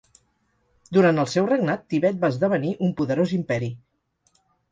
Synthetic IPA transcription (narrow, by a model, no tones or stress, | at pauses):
d̪uɾant̪əlˠsɛwreɡnat̪ːiβɛt̪̚baəzðəβ̞əniʔumpuðəɾozimpɛɾi